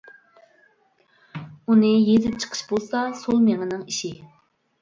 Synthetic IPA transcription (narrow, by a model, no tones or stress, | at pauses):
unɨjezɪp̚t͡ʃʰə̥qʰə̥ʃbolˠsɑsolˠmeŋɪnɪŋiʃi